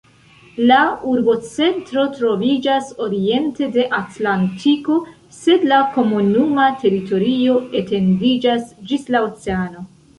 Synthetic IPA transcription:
lauɾbo̞t͡se̞ntɾo̞tɾo̞vid͡ʒaso̞ɾie̞nte̞de̞ʔatlantʰiko̞ | se̞dlako̞munumate̞ɾito̞ɾio̞e̞te̞ndid͡ʒasd͡ʒislaot͡se̞ano̞

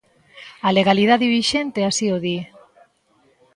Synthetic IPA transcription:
ale̞ɣ̞alið̞aðiβiʃe̞nt̪e̞asioði

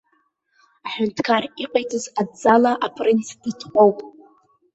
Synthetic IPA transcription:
aħʊntʰkʰariqʼajtʰʼɨzadd͡zalaʔapʰrint͡sʰditʰqʷʼowpʼ

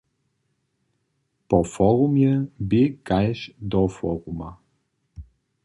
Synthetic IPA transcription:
pɔfɔɾumjɛbikajʃd̪ɔfɔɾuma

